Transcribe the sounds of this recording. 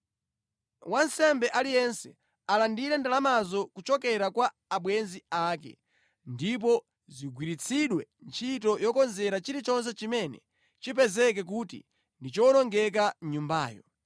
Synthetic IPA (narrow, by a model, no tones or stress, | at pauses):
wansɛmbɛʔalijɛnsɛ | alandiɾɛndalamazɔkut͡ʃɔkɛɾakwa | aɓwɛnziaːkɛ̰ | ndip̬ɔ | ziɡwiɾit͡sʰiɗwɛnt͡ʃʰit̬ɔjɔkɔnzɛɾat͡ʃiɾit͡ʃɔns̬ɛt͡ʃimɛnɛ̰ | t͡ʃip̬ɛzɛk̬ɛk̬utḭ | ndit͡ʃɔnɔŋɡɛk̬aɲumba̰ːjɔ